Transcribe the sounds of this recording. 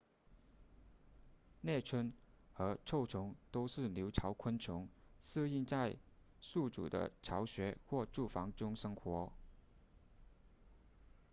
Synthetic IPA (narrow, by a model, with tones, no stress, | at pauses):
nɛ˥˩t͡sʰə˥n | xɤ˧˥ʈ͡ʂʰo˥˩ʊʈ͡ʂʰʊ˧˥ŋt̪o˥ʊʂɻ̩˥˩ljo˧˥ʊʈ͡ʂʰɑ˧˥ʊkʰə˥nʈ͡ʂʰʊ˧˥ŋs̩˥˧i˥˧ŋt͡sa˥˧ɪ | su˥˩ʈ͡ʂṵ˨˩d̪ə̰˦ʈ͡ʂʰɑ˧˥ʊɕɥɛ˧˥xwɔ˥˧ʈ͡ʂu˥˩fɑ˧˥ŋʈ͡ʂʊ˥ŋʂɤ˥ŋxwɔ˧˥